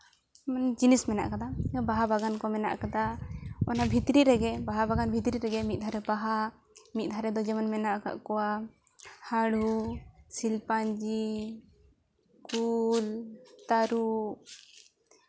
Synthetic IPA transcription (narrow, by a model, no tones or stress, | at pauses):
mand͡ʒinismɛna̰ʔkad̪abaɦabaɡankɔmɛna̰ʔkad̪aɔnabʱit̪ɾiɾɛɡɛbaɦabaɡanbʱit̪ɾiɾɛɡɛmit̪̚ˀd̪ʱaɾɛbaɦa | mit̪̚ˀd̪ʱaɾɛd̪ɔd͡ʒɛmanmɛnaʔka̰ʔkɔwa | haɽusilpand͡ʒi | kult̪aɾu